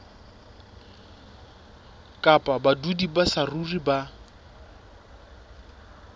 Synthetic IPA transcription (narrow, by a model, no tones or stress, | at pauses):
kʼapʼabadudibasaruriba